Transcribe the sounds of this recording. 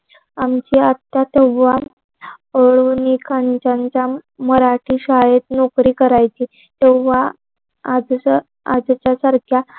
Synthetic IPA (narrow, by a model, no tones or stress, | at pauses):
amt͡ɕiːat̪ːat̪eʋʋa | əɭunikʰaɲt͡ɕaɲt͡saməɾaʈʰiːɕajet̪nokɾiːkəɾajt͡ɕi | t̪ewʋa | ad͡z | a̰d͡zt͡ɕjasaɾkʰja